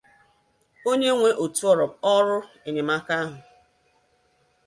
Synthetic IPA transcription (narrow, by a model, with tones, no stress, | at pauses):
o˦ɲe˦ŋʷe˦ʔo˨tu˦ɔ˨ɾɔ˨ɔ˦ɾʊ˦ | e˨ɲe˨ma˦ka˦a˦ɦʊ˨